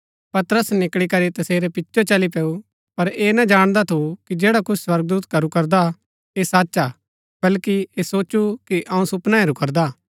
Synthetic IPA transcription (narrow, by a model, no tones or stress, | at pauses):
pɐt̪ɾəsnɪkɽikɐɾit̪ɐseːɾɛpɪtːʃot͡ʃɐlipɛːu | pɐɾeːnɐd͡ʒaːɽ̃d̪at̪ʰukid͡ʒeːɽakʊt͡ʃʰswɐɾɡ̚d̪uːt̪kɐɾukɐɾd̪a | esaːtːt͡ʃaː | b̥ɐlkiesoːt͡ʃukiʔɐũsʊpnaeɾukɐɾd̪aː